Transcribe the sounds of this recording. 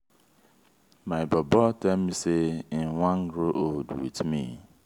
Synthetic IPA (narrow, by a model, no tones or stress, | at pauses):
maɪbɔbɔtɛmmisewãnɡɾoʔoldwḭtmḭ